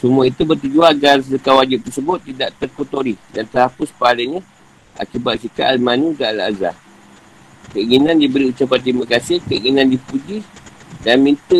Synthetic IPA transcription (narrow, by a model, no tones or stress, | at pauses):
sumuait̪ubərt̪ud͡ʒuaɡarsəkawad͡ʒɪp̚t̪ərsəbʊt̪ːidaʔt̪ərkot̪oɾidant̪ərhapʊspalɪŋɲə | a̰kibat̪̚kikaʔalmanũdaala̰za̰ | kəiŋinãndibəɾiut͡ʃap̬ant̪ɾimãkasɪhkəiŋinãndipud͡ʒi | danmĩnt̪ə